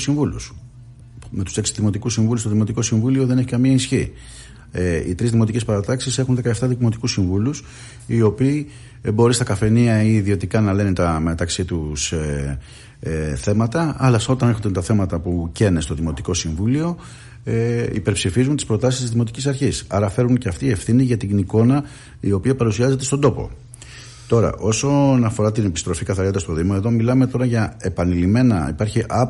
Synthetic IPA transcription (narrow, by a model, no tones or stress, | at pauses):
siɱvulṵs | me̞t̪u̥se̞ksi̥ðimo̞t̪ikusiɱvulust̪oðimo̞t̪iko̞siɱvulio̞ðeneçi̥kɐmiɐisçi | eḭt̪ɾizðimo̞t̪icespɐɾɐt̪ɐksise̞xunðe̞kɐeft̪ɐðimo̞t̪ikusiɱvulus | io̞piː | bo̞ɾist̪ɐkɐfe̞niɐiːðio̞t̪ikɐnɐle̞nit̪ɐme̞t̪ɐksit̪us | θe̞mɐt̪ɐɐlɐso̞t̪ɐnexçod̪et̪ɐθe̞mɐt̪ɐpuce̞nest̪o̞ðimo̞t̪iko̞siɱvulio̞ | eḭpe̞ɾpsifizunt̪i̥spɾo̞t̪ɐsist̪izðimo̞t̪icisɐɾçisɐɾɐfe̞ɾunceɐft̪ie̞fθiniʝɐt̪iniko̞nɐ | io̞piɐpɐɾusiɐze̞t̪e̞st̪o̞d̪o̞po̞̰ | t̪o̞ɾɐ̰ʔo̞sonɐfo̞ɾɐt̪inepist̪ɾo̞fikɐθɐɾod̪ɐst̪o̞ðimoe̞ðo̞milɐme̞t̪o̞ɾɐʝɐe̞pɐnilime̞nɐḭpɐɾçiʔɐ